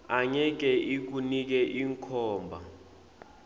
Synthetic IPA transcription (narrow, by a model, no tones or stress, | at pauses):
aɲɛk̬ɛʔik̬unik̬ɛʔiŋkʰɔːmbʱa